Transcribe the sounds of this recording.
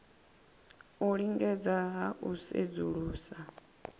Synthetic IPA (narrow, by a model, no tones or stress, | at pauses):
uɺiŋɡɛd͡zaɦaʔusḛd͡zuɺuːsa